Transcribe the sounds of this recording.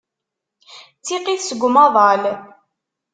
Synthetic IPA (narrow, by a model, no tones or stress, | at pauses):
t͡sːiqiθsəɡʷmɑðˤɑl